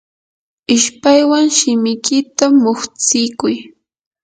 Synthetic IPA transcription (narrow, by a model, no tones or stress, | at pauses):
ɪʃpajwaŋʃɪmɪkɪt̪amʊχt͡sɪkʊj